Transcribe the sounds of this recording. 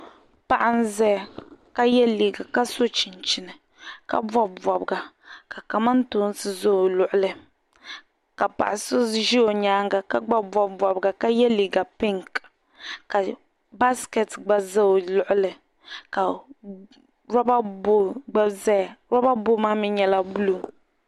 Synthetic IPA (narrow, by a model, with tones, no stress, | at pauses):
pa˦˨ʔa˦n˦zɛ˦˨ka˦jɛ˦liː˨ɡa˨ka˦so˦t͡ʃi˨nt͡ʃɪ˨nɨ˨ | ka̰˦bɔ˦bbɔ˨bɡa˨ | ka˨ka˨ma˦n˦tʊː˦n˦sɨ˦zo˦o˨lʊ˨ʔʊ˦lɨ˨ | ka˨pa̰˨ʔɪ˨so˦ʒi˦o˨ɲaː˦ŋɡa˨ka˦ɡ͡ba˦bɔ˨bbɔ˨bɡa˨ka˦jɛ˦li˨ɡa˨pɪ˦ŋk | ka˨ | ba˦skɛ˨tɡ͡ba˦za˦o˨lʊ˦ʔʊ˦lɨ˨ | ka˨ | ɾa˦ba˦bo˦ɡ͡ba˦zɛ˦˨ɾa˦ba˦bo˦maː˦mɪ˦ɲɛ˦la˦bu˦lu˨